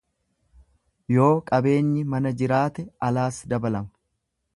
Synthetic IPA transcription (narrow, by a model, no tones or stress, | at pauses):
jo̞ːkʼɐbe̞ːɲːɪmɐnɐd͡ʒɪɾaːt̪ɛɐlaːsd̪ɐbɐlɐmɐ̥